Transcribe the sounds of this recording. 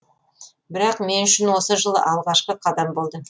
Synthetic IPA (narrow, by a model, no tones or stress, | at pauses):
bɪɾɑqme̞nʏʃɪnwo̞səʒəlˠə̰ʔɑlˠʁɑʃqəqʰɑd̪ɑmbo̞lˠd̪ə